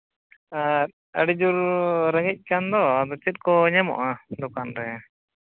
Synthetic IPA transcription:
aɾ | əɽid͡ʒuɾɾəŋic̚ˀkand̪ɔd̪ɔt͡ʃit̪̚kɔɲɛmɔ̰ʔad̪ɔkanɾɛ

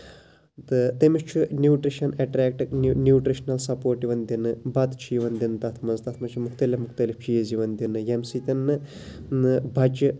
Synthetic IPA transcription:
t̪ɨt̪emiʃt͡ʃʰunjuːʈɾiʃɐneʈɾeːk̚ʈɨnjuːʈɾiʃnɐlsɐpoːɾʈiʋɐnd̪inɨbɐt̪t͡ʃʰijʋɐnd̪int̪ɐt̪ʰmɐzt̪ɐt̪ʰmɐt͡ʃʰimukʰt̪ɐlʲifmukt̪ɐlift͡ʃijɐziʋɐnd̪inɨjemsit̪ʲɐnːɨ | ɨbʱɐd͡ʒ

